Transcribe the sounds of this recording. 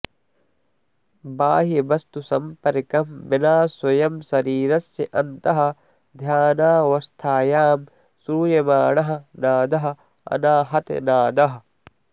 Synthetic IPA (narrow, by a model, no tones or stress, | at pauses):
baːɦibɐst̪usɐmpɐɾkɐmʋɪnaːswɐjɐmsɐɾiːɾɐsjɐʔɐnt̪ɐɦɐ̆ | d̪ʱjaːnaːʋɐst̪ʰaːjaːm | suːjɐmaːɳɐɦɐ̆naːd̪ɐɦɐ̆ | ɐ̰naːɦɐt̪naːd̪ɐɦɐ̆